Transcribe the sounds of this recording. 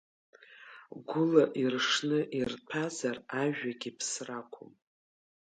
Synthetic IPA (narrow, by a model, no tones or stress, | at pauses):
ɡʷʊlaʔirʂnɨʔirtʰazaraʒᶣaɡʲipʰsrakʷʰo̰m